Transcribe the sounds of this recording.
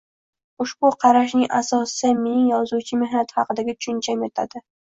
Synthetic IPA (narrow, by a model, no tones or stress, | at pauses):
ʊʃbʊqʰɑɾaʃ̬nɪŋʔasɒssamenɪŋjɒzut͡ʃʰɪme̞hnat̪ʰhɑqɨd̪aɡʲat̪ʰʊ̥ʃʊnt͡ʃʰamjet̪ʰa̰d̪ɪ